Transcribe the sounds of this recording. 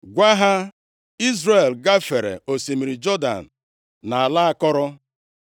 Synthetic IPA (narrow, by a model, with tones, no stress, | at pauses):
ɡʷa˦ɦa˦ | i˦zɾe˨lɡa˦fe˨ɾḛ˨o˨si˨mi˨ɾi˨d͡ʒɔ˦da̰˨n̩˨ | na˨a˨la˦a˦kɔ˦ɾʊ˦